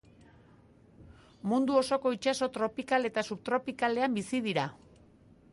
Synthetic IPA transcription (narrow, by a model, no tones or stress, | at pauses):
mund̪uo̞so̞ko̞it͡ʃaso̞t̪ɾo̞pikale̞t̪asupt̪ɾo̞pikale̞ambisið̞iɾa